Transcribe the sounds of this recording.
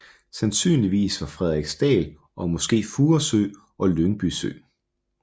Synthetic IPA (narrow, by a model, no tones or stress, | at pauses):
sænsy̰ːnliʋḭːsʋɑ̈fʁɛð̞̰ˠʁeɡ̥sd̥ɛ̰ːl | ʔɒ̽mɒ̽sɡ̥e̝̰ːfuːɐsø̰ | ʔɒ̽lønb̥ysø̰ː